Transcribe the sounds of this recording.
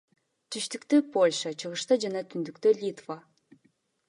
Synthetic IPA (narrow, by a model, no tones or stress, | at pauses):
t̪ʰyʃt̪ykt̪øpolʲʂat͡ʃʰɯʁɯʃt̪ɑd͡ʒɑnɑt̪ʰynd̪ykt̪ølʲit̪va